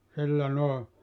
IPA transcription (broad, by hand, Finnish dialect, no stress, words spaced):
silːæ noˑe